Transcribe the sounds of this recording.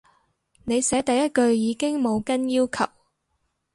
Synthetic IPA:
ne˨˧jsɛː˨˥t̪ɐ˨jɐ˥t̚kɵ˧ɥjiː˨˧kɪ˥ŋmo˨˧wkɐ˥njiː˥wkʰɐ̰˨˩w

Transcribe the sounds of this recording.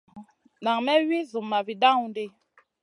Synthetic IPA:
na˨ŋmɛ˦ɥi˦zu˨mːa˨vi˨da˦ŋu˨n˦de˦

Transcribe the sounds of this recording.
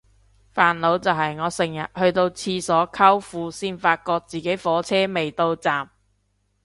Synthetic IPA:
faː˨nlo˨˧wt͡sɐ˨wɦɐ˨jŋɔː˨˧sɪ˨˩ŋjɐ̰˨t̚hɵ˧ɥt̪o˧wt͡sʰiː˧sɔː˨˥kʰɐ˥wfuː˨˧siː˥nfaː˧t̚kɔː˧k̚t͡siː˨ke˨˥jfɔː˨˥t͡sʰɛː˥me˨jt̪o˧wt͡saː˨m

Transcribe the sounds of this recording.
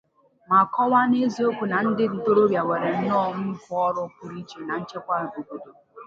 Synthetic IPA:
ma˨kɔ˦wa˦ne˦zi˦o˦kʷu˨na˨n̩˦dɪ˦n̩˨to˦ɾo˦bja˨we˨ɾe˨n̩˦nɔ˦˨m̩˦fʊ˦ɔ˦ɾʊ˦kʊ˨ɾi˦t͡ʃe˨na˨n̩˦t͡ʃe˦kʷa˦ɾɪ˨bo˨ko˦do˨

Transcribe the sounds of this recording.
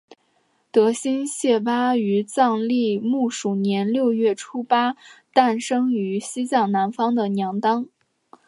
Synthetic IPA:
t̪ɤ˧˥ɕi˥nɕjɛ˥˩pa˥y˧˥t͡sɑ˥˧ŋli˥˧mu˥˩ʂu˨˩njɛ˧˥nljo˥˧ʊɥɛ˥˩ʈ͡ʂʰu˥pa˥t̪a˥˩nʂɤ˥ŋy˧˥ɕi˥t͡ɕjɑ˥˩ŋna˧˥nfɑ˥ŋd̪ə˨njɑ˧˥ŋt̪ɑ˥ŋ

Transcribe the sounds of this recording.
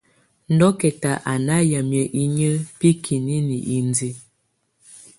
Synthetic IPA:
n̩˦dɔ˦kɛ˨ta˨ʔa˨na˦ja˨mjə˨ʔi˦ɲə˦pi˦kʰi˨ni˦ni˨ʔi˨n˦di˦

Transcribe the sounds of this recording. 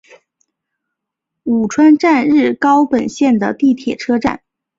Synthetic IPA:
u˨˩ʈ͡ʂʰwa˥nʈ͡ʂa˥˧nɻɻ̩˥˩kɑ˥ʊpə˨˩nɕjɛ˥˩nd̪ə˩t̪i˥˩t̪ʰjɛ˨˩ʈ͡ʂʰɤ˥ʈ͡ʂa̰˥˩n

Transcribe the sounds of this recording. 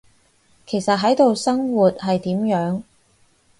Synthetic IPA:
kʰe˨˩jsɐ˨t̚ɦɐ˨˥jt̪o˨wsɐ˥ŋwuː˨t̚ɦɐ˨jt̪iː˨˥mjœː˨˥ŋ

